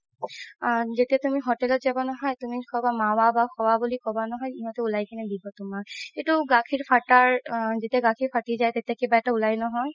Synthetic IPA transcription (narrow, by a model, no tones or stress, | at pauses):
zet̪iat̪umiɦoʈɛlɔt̚zabɔnɔɦɔjt̪umikɔbamawabaxʰɔwabulikɔbanɔɦɔjiɦɔt̪eulajkɛnɛd̪ibɔt̪ʊmaketuɡãkʰiɹpʰaʈaɹzet̪iaɡãkʰipʰaʈizajt̪et̪iakebaɛʈaulajnɔɦɔj